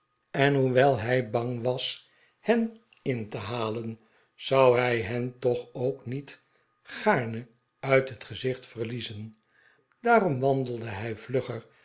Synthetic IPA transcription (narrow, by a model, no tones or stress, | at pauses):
ɛnɦuʋɛlˠɦɛjbɑŋʋɑs | hɛn | ɪntəɦaːlən | z̥ɑwɦɛjɦɛntɔχowknit | χaːɹnə | œɥtɦətχəzɪχtfərlizən | d̥aːrɔmʋɑndəl̩ˠdəɦɛjvlɵχər